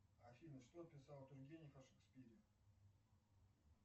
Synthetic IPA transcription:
afʲinəʂt̪opʲɪsɑlˠt̪ʊrɡʲenʲjfɐʂɨkspʲiɾʲɪ

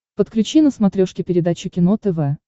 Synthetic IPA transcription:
pət̪klʲʉt͡ɕinəsmɐt̪ɾʲoʂkʲɪpʲɪɾʲɪd̪at͡ɕʊkʲɪnot̪ɛvɛ

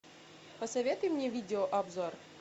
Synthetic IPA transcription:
pəsɐvʲet̪ʊjmnʲevʲidʲɪoʔɐbzor

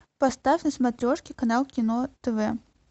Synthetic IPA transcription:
pɐst̪afʲnəsmɐt̪ɾʲɔʂkʲijkɐnalˠkʲɪnot̪ɛvɛ

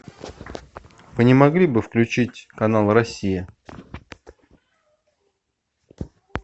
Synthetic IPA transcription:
vɨnʲɪmɐɡlʲibɨfklʲʉt͡ɕitʲkɐnalˠrɐsʲːijɪ

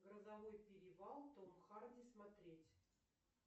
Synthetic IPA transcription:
ɡɾəzɐvojpʲɪɾʲɪvalˠt̪omxardʲɪsmɐt̪ɾʲetʲ

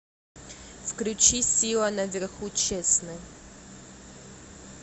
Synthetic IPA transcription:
fklʲʉt͡ɕisʲilˠənɐvʲɪrxut͡ɕesnɨ

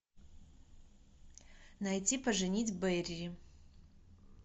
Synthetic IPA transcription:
najtʲipɐʐɨnʲitʲbɛjrʲrʲɪ

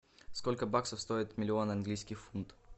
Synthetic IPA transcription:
skolʲkəbaksəfst̪o̞ɪt̪mʲɪlʲɪonɐnɡlʲijskʲɪxfunt̪

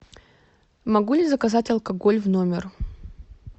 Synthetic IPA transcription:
mɐɡulʲɪzəkɐzatʲɐlˠkɐɡo̞lʲvno̞mʲɪr

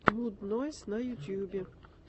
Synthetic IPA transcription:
ɦud̪nɔsʲnɐjut̪ʲjubʲɛ

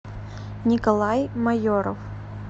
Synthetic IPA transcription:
nʲikɐlˠajmɐjoɾɔ̰f

